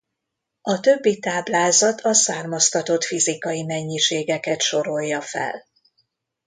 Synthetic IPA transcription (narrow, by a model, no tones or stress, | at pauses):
ɒt̪ø̞bːit̪aːblaːzɒt̪ʰɒsaːrmɒst̪ɒt̪o̞t̪fizikɒjimɛɲːiʃeːɡɛkɛt̪ʃo̞ɾo̞jːɒfɛ̰l